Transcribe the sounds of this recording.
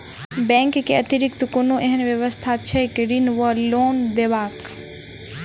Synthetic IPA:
bɛ̃ːŋkːeɐt̪ɪɾɪk̚t̪konoʔeɦənʋjəʋəst̪ʰat͡ʃʰekɾinʋəloːnd̪eʋaːk

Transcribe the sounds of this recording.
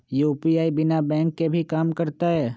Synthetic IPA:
juːpiaːibɪnabɛ̃ːŋkːebʱikaːmkɐɾt̪aɦɛː

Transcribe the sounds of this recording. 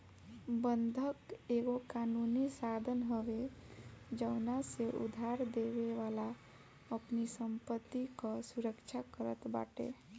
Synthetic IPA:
bənd̪ʱəkeɡokanunisad̪ʱənɦəʋe | d͡ʒəʊnaseʔṵd̪ʱaɾd̪ebeʋala | əpnisəmpət̪ːikəsuɾəkt͡ʃʰakəɾət̪ba̰ʈḛ

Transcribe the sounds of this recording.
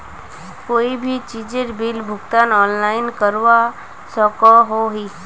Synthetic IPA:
koːibʱit͡ʃiːd͡ʒeɾbilbʱʊɡt̪aːnɔːnlaːɪnkəɾʋa | sɔkɔɦoɦi

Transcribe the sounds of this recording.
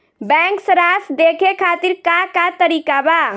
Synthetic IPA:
bɛ̃ŋksəɾasd̪ekʰekʰat̪iɾkakat̪əɾikaba

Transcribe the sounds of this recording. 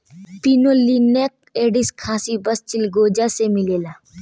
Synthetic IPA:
pinoːlinek̚ | eːɖɪskʰːaːsibəst͡ʃɪlɡoːd͡ʒasemɪleːlaː

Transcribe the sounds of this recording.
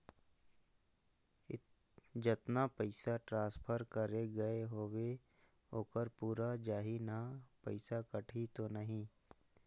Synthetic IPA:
ɪ | d͡ʒɪt̪napəɪsaʈɾãːspʰəɾkəɾeɡɐeɦoːwe | oːkəɾpuːɾad͡ʒaːɦinapəɪsakɐʈʰit̪onɐɦĩː

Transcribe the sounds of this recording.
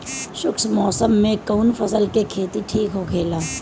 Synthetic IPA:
ʃʊksmɔːsəmːẽkəʊnfʰɐsəlkekʰeːt̪iʈʰiːkɦoːkʰeːlaː

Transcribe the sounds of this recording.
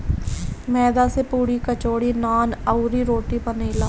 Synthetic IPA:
mɛːd̪aːseːpuːɽiːkət͡ʃoːɽiːnaːnəuɾiːɾoːʈiːpəneːla

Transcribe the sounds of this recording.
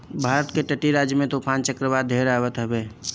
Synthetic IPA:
bʱaɾət̪keʈəʈiɾad͡ʒjəmẽt̪opʰant͡ʃəkɾəbad̪ʱeɾabət̪ɦəbe

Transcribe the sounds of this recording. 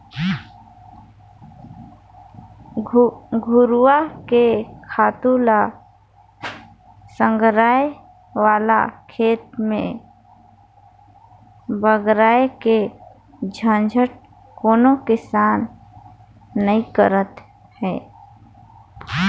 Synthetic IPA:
ɡʱʊɾwakekʰaːt̪ula | sə̃ŋɡʱɾaːe | waːla̰kʰeːt̪mẽ | bəɡɾaːeke | d͡ʒʱə̃nd͡ʒʱəʈ̚ | koːnokɪsaːn | əĩkəɾət̪ | hɛː

